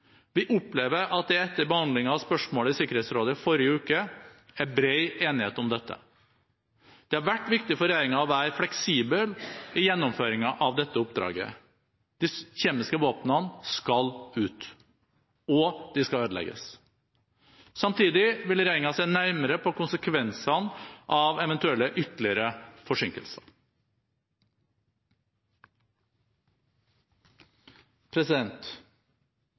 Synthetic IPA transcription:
ʋɪʔʊpleːʋəɾʔɑt̪̚d̪ɛɛt̪ːəɾbəhɑnd̪lɪŋɑɑʋspœʂmoːləɪsɪkːəɾeːt̪sɾoːd̪əfɔɾɪəʉːkəæbɾeɪeːnɪheːt̪ɔmd̪ɛt̪ʰːə̰ | d̪̥ɛhɑɾʋæʈːʋɪkt̪ɪfɔɾeɪɾɪŋɑɔʋæːɾəflɛksiːbəlɪjɛnːʊmføːɾɪŋɑʔɑʋd̪ɛt̪ːəʊp̚d̪ɾɑ̰ːɡə̰ | d̪̥ɪçeːmɪskəʋoːpnənskɑlʉːt̪ | ɔd̪̥ɪskɑøːd̪lɛ̰ɡə̰s | sɑmt̪ʰiːd̪ɪʋɪlɾæɪŋɑsæɪnæɾməɾəpʰɔkʊnsəkʰʋɛnsɑnʔɑʋɛʋɛnt̪ʉɛlːəʔʏt̪lɪəɾəfɔʂɪŋkə̰lsɑɾ | pʰɾɛsɪd̪ɛnt̪

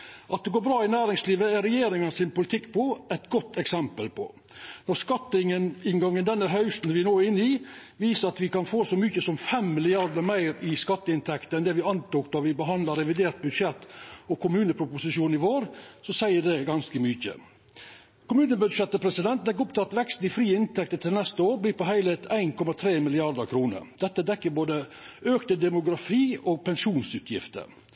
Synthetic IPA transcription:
ʔɑt̪̚d̪ɛɡoːbɾɑːɪnæːɾɪŋsliːʋəæɾɛjeːɾɪŋənsɪnpʊlɪt̪ʰɪkːpʰɔɛt̪ɡɔt̪ʰːɛksɛmpəlpʰɔ̰ | nɔɾskɑt̪ːəɪŋːənɪnɡɑŋːənd̪ɛnːəɦœʉst̪n̩ʋɪnoːɪnːɪʋiːsəɾɑt̪ʋɪkɑnfoːsɔmʏçəsɔmfɛmmɪlɪjɑɾd̪əɾmæɪɾɪskɑt̪ːəɪnt̪ʰɛkt̪əɛnd̪ɛʋɪɑnt̪uːkd̪ɑʋɪbəɦɑnd̪lɑɾɛʋɪd̪eːɾt̪̚bʉd̪ʂɛt̪ːɔkʊmʉːnəpʰɾʊpʊsɪʂuːnɪʋoːɾsɔsæɪəɖ̪ɛɡɑnskəmʏçə̰ | kʊmʉːnəbʉd̪ʂɛt̪ːəpʰɾɛsɪd̪ɛnt̪̚d̪ɛkːʊp̚t̪ʰɑt̪ʋɛkst̪̩ɪfɾiːəɪnt̪ɛk̚t̪ət̪ʰɪlnɛst̪əoːɾbliːpɔɦæɪlɛːt̪ʰæɪnkʰɔmɑt̪ʰɾeːmɪlɪɑɾd̪əɾkʰɾuːnə̰ɾd̪̥ɛt̪ːəd̪ɛkːəboːd̪əøːkt̪əd̪ɛmʊɡɾɑfiːoːɡ̚pɛnʂuːnsʉːt̪ʰjɪ̰ft̪ə̰ɾ

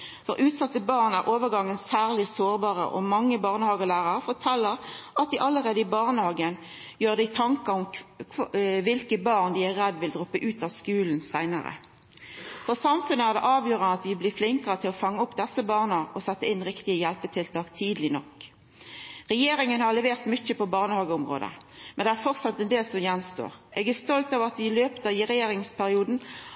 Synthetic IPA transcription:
fɔʁʔʉːt̪sɑt̪ːəbɑːʁnæɾʔoːʋəʁɡɑŋːənsæːʁlɪsoːʁbɑːʁə̰ʔɔ̰mɑŋːəbɑːʁnəhɑːɡəlæːʁɑʁfɔʈʰɛlːəʁʔɑt̪̚d̪ɪʔɑlːəʁeːd̪əɪbɑʁnəhɑːɡən | jøːʁd̪ɛɪt̪ʰɑŋkəʊmʰ | ʋɪlkəbɑːʁnd̪ɪæʁɛd̪ʋɪld̪ʁʊpːəʔʉːt̪ɑːʋskʉːln̩sæɪnə̰ʁə̰ | fɔʁsɑmfʉnəæːʁd̪ɛʔɑːʋjøːʁənɑt̪ʋɪblɪːflɪŋkəʁət̪ʰɪlɔfɑŋːəʊpːd̪ɛsːəbɑːʁnəɔsɛt̪ːəɪnːʁɪkt̪ɪəjɛlpət̪ʰɪlt̪ʰɑːkt̪ʰiːd̪lɪnɔk | ʁɛjeːɾɪŋənhɑʁlɛʋeːʁt̪mʏt͡ʃːəpʰɔbɑːʁnəhɑːɡəʊmʁo̰ːd̪ə̰mɛnd̪ɛæʁfɔʁt̪sɑt̪ːɛnd̪eːlsɔmjɛnst̪o̰ːʁʔɛɡæʁst̪ɔlt̪ɑʋɑt̪ʋɪløːpt̪əɪʁɛjeːɾɪŋspʰæʁɪuːd̪n̩

